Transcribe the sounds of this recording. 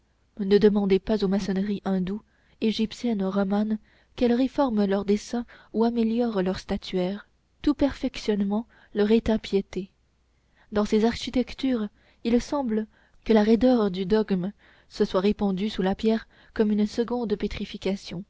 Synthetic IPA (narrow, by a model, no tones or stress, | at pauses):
nəd̪əmɑ̃d̪epazomasɔnʁiʔɛ̃d̪u | eʒipsjɛnʁɔman | kɛlʁefɔʁmlœʁd̪esɛ̃uameljɔʁlœʁst̪at̪ʰyɛːʁ | t̪upɛʁfɛksjɔnmɑ̃ | lœʁet̪ɛ̃pjet̪e | d̪ɑ̃sezaʁʃit̪ɛkt̪yːʁ | ilsɑ̃blə | kəlaʁed̪œʁd̪yd̪ɔɡm | səswaʁepɑ̃d̪ysulapjɛʁ | kɔmynsəɡɔ̃d̪pet̪χifikʲasjɔ̃